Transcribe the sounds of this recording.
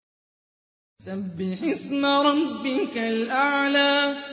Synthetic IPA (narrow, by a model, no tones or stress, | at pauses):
sabːɪħɪsmaɾˤɑbːɪkalʔaʕlaː